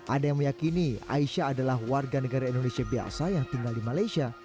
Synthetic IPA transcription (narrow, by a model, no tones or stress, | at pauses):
ʔadajaŋməjakinia̰iʃaːdalahwarɡanəɡaɾaindonesiabia̰sajaŋt̪iŋɡaldimalajsia